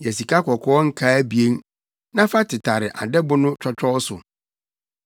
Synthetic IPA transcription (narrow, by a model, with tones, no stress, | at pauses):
jɛ˨si˨kʰa˦kʰɔ˨kʰɔ˦ɔ˦ŋ̩˦kʰaː˦bi˨e˦n | nã˦fa˦tʰɪ˨tʰa˨ɾɪ˨ʔa̰˨dɛ˦bʊ˦nʊ̃˦t͡ʃʰᶣɔ˦t͡ʃᶣʰɔ˦sʊ̰˨